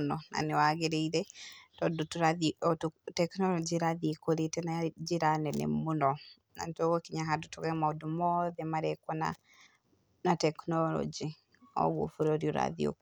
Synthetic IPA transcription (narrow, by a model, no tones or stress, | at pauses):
nɔna̰newaɣeɾeiɾɛtɔdɔtuɾaðiɔtutɛknɔlɔd͡ʒiɾaðikoɾetɛnad͡ʒiɾanɛnɛ̰munɔ | na̰ntoɣɔkiɲaɦadotɔɣɛmaodumɔðɛmaɾɛkwɔna̰ | natɛknɔlɔ̰d͡ʒi | ɔ̰ɡo̰fuɾɔɔɾiɔɾa̰ðḭo̰